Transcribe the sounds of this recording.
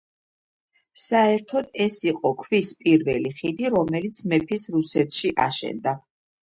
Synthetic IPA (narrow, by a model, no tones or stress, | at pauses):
saɛɾt̪ʰɔd̪ɛsiqʼɔkʰvispʼiɾvɛliχid̪iɾɔmɛlit̪sʰmɛpʰisɾusɛt̪ʰʃiʔa̰ʃɛ̰nd̪a